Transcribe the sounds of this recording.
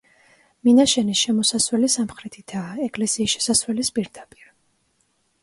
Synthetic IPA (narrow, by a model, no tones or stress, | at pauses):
minaʃɛnisʃɛmɔsaswɛlisamχɾɛt̪ʰid̪̥aɛɡʼlɛsiːsʃɛ̥saswɛlispʼiɾd̪apʼi̥ɾ